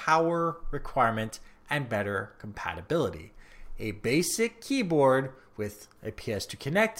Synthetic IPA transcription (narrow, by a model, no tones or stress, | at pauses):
pʰaʊə˞ɹɨkʰw̥aɪɹmɨ̃nt | ʔɨ̃nbɛɾə˞kʰm̩pʰæ̰ɾɨbɪlˠəɾḭɨbeɪsɪkʰibɔɹd̚ | wɪðɨpʰiɛstʰɨkʰɨnɛk̚t